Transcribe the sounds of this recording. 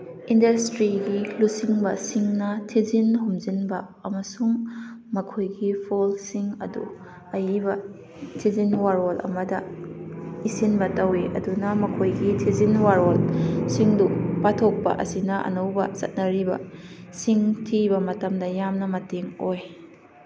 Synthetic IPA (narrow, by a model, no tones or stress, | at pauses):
indɐstɾiɡilusiŋbɐsiŋnɐtʰizinɦumzinbɐːmɐsuŋ | mɐkʰojɡipʰolsiŋɐ̰dṵ | ɐjibɐ | tʰizinwaɾolʔɐ̰mɐdɐ | isinbɐtɐweʔɐ̰dunɐmɐkʰojɡitʰizinwaɾolsiŋdupatʰok̚pɐ̰ʔɐ̰sinɐʔɐ̰nɐwbɐ̰zɐ̰t̚nɐɾibɐ̰ | siŋtʰibɐmɐtɐmdɐjamnɐmɐteŋoj